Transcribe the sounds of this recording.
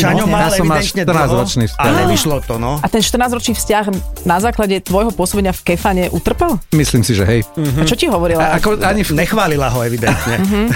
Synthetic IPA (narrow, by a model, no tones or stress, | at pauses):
t͡ʃaɲɔmajasɛɔmmalʃɲɛrnaːzɾɔt͡ʃniːfscaɛiʃlɔt̪ɔnɔat̪ɛnʃt̪ɾrnaːzɾɔt͡ʃniːfscaɣnazaːklaɟɛt̪ʋɔjɦɔpʊɔsɔbɛɲɪafkɛfaɲɛʔut̪r̩pɛlˠmisliːmsiʒɛ̰ɦɛjat͡ʃɔciɦɔʋɔɾilaakɔaɲiɲɛxʋaːlilaɦɔɛʋid̪ɛnt̪ɲɛɦ̩